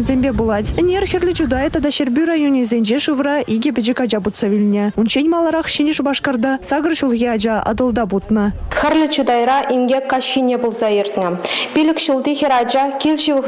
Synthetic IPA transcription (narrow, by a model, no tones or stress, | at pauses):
nʲzʲemʲbʲebulˠɑtʲɘ̆nʲerʲxʲɘrʲlʲɘ̆t͡ɕud̪ɑjt̪ɑd̪ɑɕerʲbʲyrajonʲizʲenʲd͡ʑeʂɯʋrɑʔiɡʲɘ̆bʲɘ̆d͡ʑɘkʲɑd͡ʒɑbut̪sɑvʲilʲnʲeunɕenʲmɑlˠɤ̆ɾɑχɕenʲeʂubɑʂkɑrd̪ɑsɑɡɤ̆rɕulˠɣʲeɑd͡ʑɑɑ̰d̪ɤ̆lˠd̪ɑbut̪nɤ̆xʲɘ̆rʲlʲɘ̆t͡ɕud̪ɑjɾɑʔiŋɡʲekːɑɕxʲinʲebulˠzɑirʲt̪ʲnʲɘ̆pʲilʲɘ̆kʃulˠd̪ixʲeɾɑd͡ʒɑkʲilʲʃi